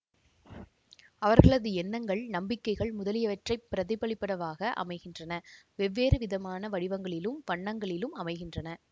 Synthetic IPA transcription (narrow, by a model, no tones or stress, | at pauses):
ɐʋɐɾɣɐɭɐðɯɛnːɐŋɡɐɭnɐmbɪkːɐɪɣɐɭmʊðɐlɪjɐʋɐʈrɐɪpːɪɾɐðɪbɐɭɪpːɐɽɐʋaːɣɐʔɐ̰mɐɪɣɪndrɐnɐʋɛʋːeːɾɯʋɪðɐmaːnɐʋɐɽɪʋɐŋɡɐɭɪlɯmʋɐɳːɐŋɡɐɭɪlɯmɐmɐɪɣɪndrɐnɐ